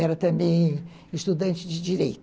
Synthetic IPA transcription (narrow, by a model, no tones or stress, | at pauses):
ɛɾɐt̪ɐ̃mbẽj̃ | ɪʃt̪ud̪ɐ̃nt͡ʃɪd͡ʒɪd͡ʒiɾejt̪